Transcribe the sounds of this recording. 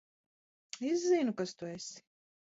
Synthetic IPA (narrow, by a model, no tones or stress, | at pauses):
izzːinukast̪uesi̥